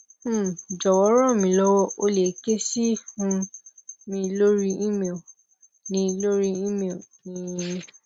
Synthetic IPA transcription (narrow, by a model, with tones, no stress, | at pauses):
d͡ʒɔ˨wɔ˨˦ɾ̃ɔ̃˦˨mĩ˧lɔ˦wɔ˦o˧le˨˦ke˦si˦hũ˧ | mĩ˧˦lo˦ɾi˦i˦me˦˨ | nĩ˧˦lo˦ɾi˦i˦me˦˨nĩ˨˦